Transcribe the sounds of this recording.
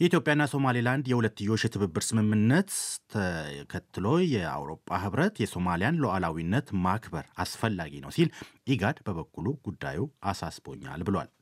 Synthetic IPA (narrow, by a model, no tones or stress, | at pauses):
jɛit̪jopʼːjanːaso̞maliland̪jɛhulət̪ːɨjːo̞t͡ʃːjɛt̪ʰɨβɨbːɨɾsɨmɨmːɨnːət̪ʰəkʰət̪ʰːɨlo̞jɛa̰wɾo̞̰pʼːa̰ɦɨβɾət̪jɛso̞malijanloʔalawinːət̪makbəɾasfəlːa̰ɡinə̰wsilʔiɡad̪bəβəkʰːuluɡ̥ud̪ːa̰juʔasasbo̞̰ɲːa̰lbɨlwa̰l